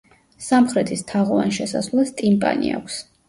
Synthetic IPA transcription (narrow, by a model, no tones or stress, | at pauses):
samχɾɛt̪ʰist̪ʰaʁɔva̰nʃɛsa̰svlˠast̪ʼimpʼa̰nḭa̰kʷʰs